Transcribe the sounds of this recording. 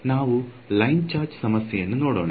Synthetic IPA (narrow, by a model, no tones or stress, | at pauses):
naːʋu | lɐjnt͡ɕaːɾd͡ʑɨ̥sɐmɐsjɐjenːɨnoːɽoːɳ